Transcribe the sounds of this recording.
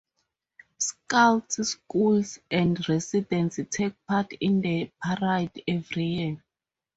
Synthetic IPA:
skaltskulsɛ̃ndɹɛsidɛ̃nstʰek̚pʰatʰĩndəpʰaɹajdɛvɹiji

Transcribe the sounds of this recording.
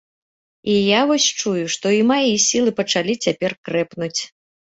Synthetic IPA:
ijavɔsʲt͡ʂujuʂt̪ɔimajisʲilˠɨpɐt͡ʂalʲit͡sʲapʲɛrkɾɛpnut͡sʲ

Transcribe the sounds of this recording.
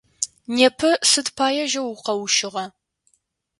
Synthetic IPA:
neːpʰɨsɨdpʰaːjɛʒɐwʊqɐwʊʃɪʁɐ

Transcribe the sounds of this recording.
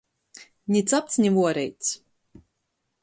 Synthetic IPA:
nʲit̪sap̚t̪snʲivuɔɾɛjt̪s

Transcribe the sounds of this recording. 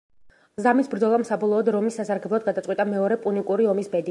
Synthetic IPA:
zamisbɾd̪zɔlˠamsabɔlˠɔːd̪ɾɔmisːasaɾɡɛblˠɔd̪̚ɡad̪at̪sʼwit̪ʼamɛɔɾɛpʼunikʼuɾiɔmisbɛd̪i

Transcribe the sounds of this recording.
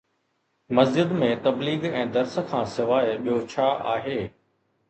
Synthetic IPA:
mɐzd͡ʑɪd̪mẽt̪ɐbliːɡɛ̃ːd̪ɐɾsə̆kʰãːsɪʋaːɪɓijot͡ɕʰaːʔaːɦeː

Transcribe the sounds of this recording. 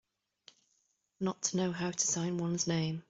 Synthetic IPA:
nətʰənəʊɦaʊtʰə̥sãɪ̃nwʌ̃nznẽɪ̃m

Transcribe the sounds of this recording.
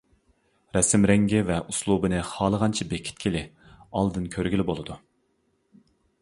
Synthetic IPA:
ɾɛsɪmɾɛŋɡʲivɛʔuslˠubɨnɨχɑːlˠəʁɑnt͡ʃʰibekʲʰi̥t̪̚kʲʰilɪ | ɑ̰lˠd̪ɨnkʲʰøɾɡʲilɪbolˠɨd̪u

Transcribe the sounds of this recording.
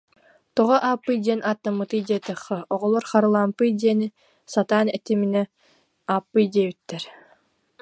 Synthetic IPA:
t̪ɔʁɔʔaːpːɯjd̪iɛnʔaːt̪ːamːɯt̪ɯjd̪ɛːt̪ɯχːɛʔɔʁɔlˠɔɾχaɾɯlˠaːmpɯjd̪iɛni | sat̪aːnɛt̪iminɛ | aːpːɯjd̪iɛːbit̪ːɛɾ

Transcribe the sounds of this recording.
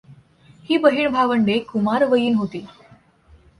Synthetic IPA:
hiːbəɦiːɳbʱaʋəɳɖekumaɾʋəjiːnɦot̪iː

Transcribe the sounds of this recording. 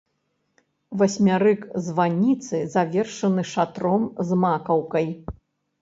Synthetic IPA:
vɐsʲmʲaɾɨkzvanʲit̪sɨzavʲɛrʂɐnɨʂat̪ɾɔmzmakɐwkɐj

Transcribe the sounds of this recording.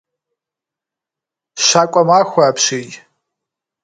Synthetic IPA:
ʃakʷʼamaxʷaːpʰʃiːtʼ

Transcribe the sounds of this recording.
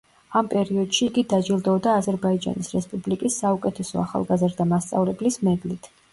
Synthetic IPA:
ampʼɛɾiɔd̪̥ʃiːɡid̪ad͡ʒilˠd̪ɔɔd̪aːzɛɾbaid͡ʒa̰nisɾɛspʼublikʼisːaukʼɛt̪ʰɛsɔ̰aχa̰lˠɡazɾd̪amast̪sʼa̰vlɛblismɛɡlit̪ʰ

